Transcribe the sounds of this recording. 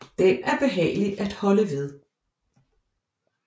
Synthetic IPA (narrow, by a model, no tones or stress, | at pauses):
d̥enæɐb̥e̝ɦɛ̰ːɪlid̥æd̥hɒ̽ləʋe̝ð̞ˠ